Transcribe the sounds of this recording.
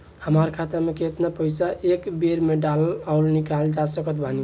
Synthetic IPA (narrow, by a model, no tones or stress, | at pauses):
həmaɾkʰat̪əɾmeket̪napəjsaʔekbeɾmeɖalaʊɾnikald͡ʒasəkət̪̚bʱani